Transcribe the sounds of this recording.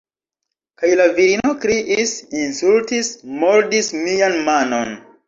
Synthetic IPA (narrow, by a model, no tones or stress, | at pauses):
kajlaviɾino̞kɾiʔisinsultismoɾdismianmano̞̰n